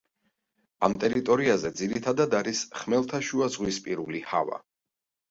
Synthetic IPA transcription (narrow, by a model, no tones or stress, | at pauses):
amt̪ʼɛɾit̪ʼɔɾiazɛd̪ziɾit̪ʰad̪ad̪aɾisχmɛlˠt̪ʰaʃuazʁwispʼiɾuliha̰va̰